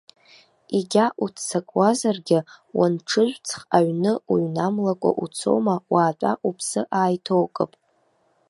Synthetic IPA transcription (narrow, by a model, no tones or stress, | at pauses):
iɡʲaʔutʰt͡sakʼwazarɡʲɪwanʈ͡ʂʰɨʒᶣʷt͡sʰχaɥnɨuɥnamlakʷʼa̰ʔut͡sʰo̞̰wmawʔaːtʼa̰ʔupʰsɨʔaːjtʰo̞wkʼɨ̰pʼ